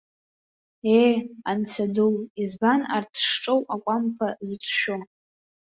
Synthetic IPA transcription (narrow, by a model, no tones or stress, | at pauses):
ejant͡sʰadɨlizbana̰rtʰʂʈ͡ʂʼowakʷʼampʰazʈ͡ʂʷʰʃo